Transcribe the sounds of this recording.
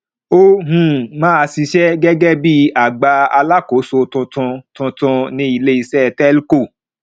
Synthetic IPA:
o˦ɦũ˨mãː˦a˧si˧ʃɛ˦ɡɛ˦ɡɛ˦bi˦a˦˨ɡ͡ba˧a˧la˦ko˨˦so˧tũ˧tɔ̃˧tũ˧tɔ̃˧nĩ˧˦i˧le˦i˧sɛ˦˧˨tɛ˦lko˦˨

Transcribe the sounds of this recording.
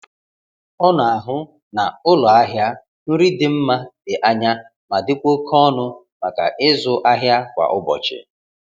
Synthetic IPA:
ɔ˦nʊ˨a˨ɦʊ˦ | na˨ʊ˦lɔ˨a˦ɦja˦ | nʊ˦ɾi˦dɪ˦m̩˦ma˦dɪ˨ʔa˦ɲa˦ | ma˨dɪ˦kʷo˦kʰɔ˦nʊ˦ | ma˨ka̰˨ʔɪ˦zʊ˦ʔa˦ɦja˦kʷa̰˨ʔʊ˦bɔ̰˨t͡ʃɪ̰˨

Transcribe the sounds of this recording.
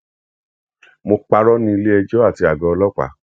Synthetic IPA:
mo˧k͡pa˧ɾɔ˦nĩ˧i˧le˦ɛ˧d͡ʒɔ˦a˦˨ti˧˦a˨ɡɔ̃˧ɔ˧lɔ˦k͡pa̰˨˦

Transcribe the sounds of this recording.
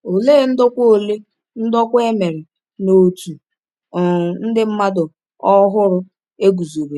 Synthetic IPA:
o˨le˦n̩˦dɔ˦kʷo˨le˦ | n̩˦dɔ˦kʷe˦me˨ɾɪ˨ | no˨tu˨ | n̩˦dɪ˦m̩˦ma˦dʊ˨ | ɔ˦ɦʊ˦ɾʊ˦ | e˦ɡu˨zo˨be˨

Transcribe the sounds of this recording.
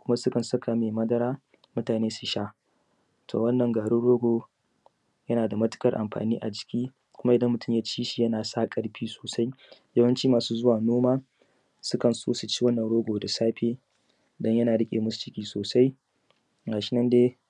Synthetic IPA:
kʷʊ˦ma˦sʊ˦kɐ˨nsɐ˦kʰa˨meː˨mɐ˦dɐ˦ɾaː˦ | mʊ˦taː˨neː˦su˨ʃa˦ | tʰoː˨wɐ˦nːɐ˨ŋɡaː˨ɽu˦ɽoː˦ɡʷoː˨ | jɐ˦naː˨da˨mɐ˦tɪ̥˦kʼɐ˦˨rʔa̰˨mɸa̰ː˨niː˦ʔa˨d͡ʒɪ̥˨kʲiː˦ | kʷʊ˦ma˦ʔɪ˨dɐ˦mːʊ˨tʊ˦mjaː˦t͡ʃiː˦ʃi˨jɐ˦naː˨saː˦kʼɐ˦ɽɸiː˦soː˨sa˦jjɐ˦wɐ˦nt͡ʃiː˦maː˨suː˦zʊ˦waː˨noː˦maː˦ | sʊ˦kɐ˨nso̰ː˦su˨t͡ʃiː˦wɐ˦nːɐ˨nɽoː˦ɡʷoː˨da˨saː˦ɸeː˦ | dɔ˦ɲjɐ˦naː˨ɽɪ˦kʲʼḛ˨mʊ˦st͡ʃɪ˦kʲiː˦soː˨sa˦j | ɡaː˨ʃɪ˦nɐ˦ndeː˦

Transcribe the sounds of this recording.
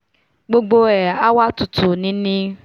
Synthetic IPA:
ɡ͡bo˧ɡ͡bo˧ɛ˨a˦wa˦tu˨tu˨nĩ˨˦nĩ˦

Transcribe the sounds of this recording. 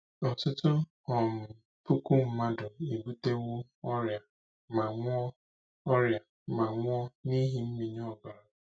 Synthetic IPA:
ɔ˨tʊ˦tʊ˦ | ɔ˨mʊ˨ | pu˦ku˦m̩˦ma˦dʊ˨i˨bu˦te˦wʊ˦ | ɔ˦ɾja˨ | ma˨ŋʷ˦ɔ˦ | ɔ˦ɾja˨ | ma˨ŋʷ˦ɔ˦ni˦ɦi˨m̩˦mi˨ɲɔ˦˨ɡa˨ɾa˨

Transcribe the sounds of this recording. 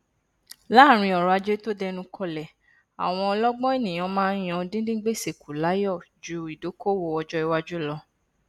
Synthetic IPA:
la˦˨ɾ̃ĩ˧ɔ˨ɾɔ˨a˧d͡ʒe˦to˦dɛ˧nũ˧kʰɔ˧lɛ˨ | a̰˨w̃ɔ̃˧ɔ˧lɔ˦ɡ͡bɔ̃˦e˦˨nĩ˨j̃ã˨˧mãː˦n̩˦j̃ɔ̃˧˦dĩ˦dĩ˦ɡ͡be˦˨se˨kʰu˨la˨˦jɔ˦˨d͡ʒu˧˦i˨do˨˦ko˦wo˦˨ɔ˧d͡ʒɔ˦i˧wa˦d͡ʒu˦lɔ˧

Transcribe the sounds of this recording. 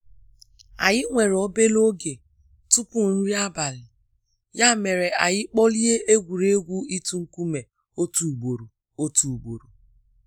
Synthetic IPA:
a˨ɣɪ˦ŋʷe˨ɾo˦be˦lo˦ɡe˨ | tu˦pu˨n̩˦ɾi˦a˦ba˨lɪ˨ | ja˦˨me˨ɾe˨a˨ɣɪ˦k͡pɔ˦li˦e˦ʔe˦ɡʷu˨ɾe˦ɡʷu˦i˦tu˦ŋ̩˦ku˦me˨ | o˦tu˨ɡ͡bo˨ɾu˨ | o˦tu˨ɡ͡bo˨ɾu˨

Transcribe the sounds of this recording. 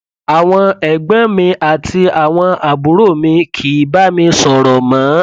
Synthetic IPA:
a˨w̃ɔ̃˧ɛ˨ɡ͡bã˦mĩ˧ʔa˨tʰi˧a˨w̃ɔ̃˧a˨bu˨˦ɾo˦˨mĩ˧kʰi˨˦ba˦mĩ˧sɔ˨ɾɔ˨mã˨˦

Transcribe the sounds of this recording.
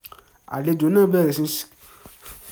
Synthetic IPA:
a̰˨le˨˧do˨˦nãː˦˨bɛ˦˨ɾɛ˨sĩ˧˦s

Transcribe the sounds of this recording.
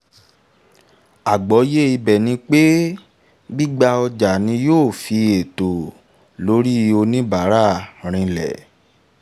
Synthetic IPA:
a˨ɡ͡bɔ˨˦je˦i˧bɛ˨nĩ˧˦k͡pe˦ | bi˦ɡ͡ba˧ɔ˧d͡ʒa˨nĩ˧joː˦˨fi˧˦e˨to˨ | lo˨˦ɾi˦˧o˧nĩ˦ba˨˦ɾa˦˨ɾ̃ĩ˧lɛ̰˨

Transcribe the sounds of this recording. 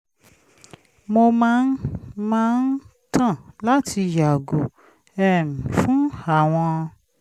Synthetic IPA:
mo˧mãː˦n̩˦maãː˦n̩˦ | tʰã˦˨la˦tʰi˧ja˨ɡo˨ | ɛ˦˨mĩ˨fũ˨˦a˨w̃ɔ̃˧

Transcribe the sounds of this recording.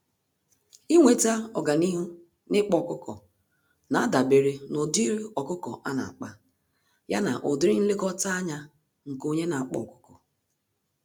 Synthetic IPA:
i˦ŋʷe˨ta˦ɔ˨ɡa˨ni˦ɦu˦ | nɪ˦k͡pɔ˨kʊ˦kʰɔ̰˨ | na˨a˦da˨be˨ɾe˨no˨di˦ɾi˦ɔ˨kʊ˦kɔ̰˨ʔa˦na̰˨a˨k͡pa˦ | ja˦na̰˨ʔo˨dɪ˦ɾi˦n̩˦le˦kɔ˦ta˦a˦ɲa˦ | ŋ̩˨ko˦ɲe˦na˨a˨k͡pɔ̰˨kʊ̥˦kɔ˨

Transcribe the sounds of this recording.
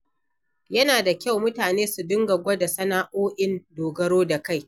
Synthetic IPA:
jɐ˦naː˨da˨kʲa˦˨wmʊ˦taː˨neː˦su˨dʊ˦ŋɡɐ˨ɡʷɐ˦da˨sɐ˦naː˦ʔoː˦ʔɪ˦ndoː˨ɡɐ˦ɾoː˦da˨ka˦˨j

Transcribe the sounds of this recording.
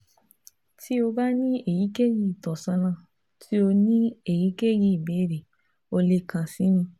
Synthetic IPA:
tʰi˦o˧ba˦nĩ˦e˨ji˨˦ke˦ji˦˨tɔ˨sã˧nã˦˨ | tʰi˦o˧nĩ˦e˦˨ji˨˦ke˦ji˦˨be˨˦ɾe˨ | o˧le˧kã˧sĩ˨˦nĩ˧

